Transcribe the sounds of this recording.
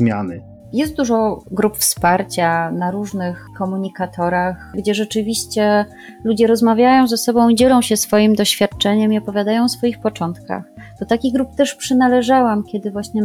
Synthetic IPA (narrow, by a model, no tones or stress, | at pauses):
mʲjanɘ | jɛst̪̚d̪uʐɔɡɾupfspaɾt͡ɕanaɾuʐnɘxkɔmuɲikat̪ʰɔɾaxɡd͡ʑɛʐɛt͡ʂɘvʲiɕt͡ɕɛ | lud͡ʑɛɾɔzmavʲjajɔ̃w̃zɛsɔbɔ̃w̃id͡ʑɛlɔ̃w̃ɕɛsfɔjimd̪ɔɕfʲjat̪̚t͡ʂɛɲɛmiɔpɔvʲjad̪ajɔ̃w̃sfɔjixpɔt͡ʂɔnt̪ka̰xd̪ɔt̪akʲiɣɡɾup̚t̪ɛʂpʂɘnalɛʐawamkʲjɛd̪ɘvwaɕɲɛ